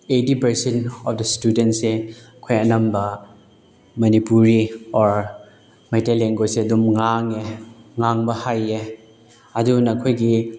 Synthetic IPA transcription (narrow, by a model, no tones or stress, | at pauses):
etipɐɾsentɔfdɐstudentse | kʰojɐnɐmbɐ | mɐnipuɾiɔɾ | majteleŋɡojsedumŋaŋeŋaŋbɐhaje | ɐdunɐkʰojɡi